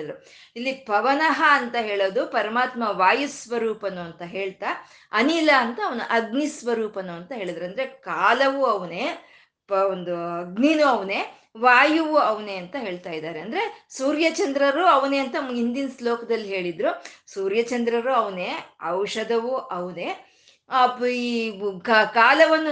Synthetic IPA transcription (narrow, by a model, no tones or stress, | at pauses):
d̪ɐɾu | ilːipɐʋɐnɐɦɐːnt̪ɐɦe̞ːɭoːd̪upɐɾɐmaːt̪mɐʋaːjusʋɐɾuːpɐnuɐnt̪ɐɦe̞ːɭt̪a | ɐnilɐːnt̪ɐːʋɐnṵʔɐɡnisʋɐɾuːpɐnuɐnt̪ɐɦe̞ːɭid̪ɐɾuɐnd̪ɐɾe̞kaːlɐʋuɐʋɐneː | pond̪uɐɡniːnuɐʋɐneː | ʋaːjuʋuɐʋneːɐnt̪ɐɦe̞ːɭt̪aːjid̪aːɾeɐnd̪ɐɾesuːɾjɐt͡ʃɐnd̪ɾɐɾuɐʋɐneːɐnt̪ɐɦind̪inɐsloːkɐd̪ɐlːiɦe̞ːɭid̪ɾusuːɾjɐt͡ʃɐnd̪ɾɐɾuɐʋɐneɐwʂɐd̪ɐʋuʔɐʋune̞ː | ɐpikkaːlɐʋɐnːu